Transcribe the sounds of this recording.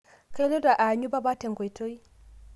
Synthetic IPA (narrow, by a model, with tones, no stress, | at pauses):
ka˦lo˦da˨ʔa˨ɲu˦ba˦ba˦tɛ˨ŋɡʷɔ˨jto˦i˦